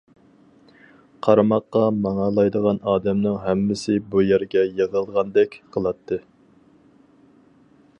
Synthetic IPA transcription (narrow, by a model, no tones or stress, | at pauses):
qʰɑɾɑmɑqːɑmɑŋɑlˠɑjd̪əʁɑnɑːd̪ɛmnɨŋɦɛmːɪsɪbujæɾɡʲɛjəʁəlˠʁɑnd̪ɛkʲqʰəlˠɑt̪ʰːɨ